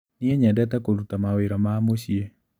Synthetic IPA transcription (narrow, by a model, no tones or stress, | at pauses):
nɪɛɲɛndɛt̪ɛkoɾut̪amawɪɾɔmaːmoʃje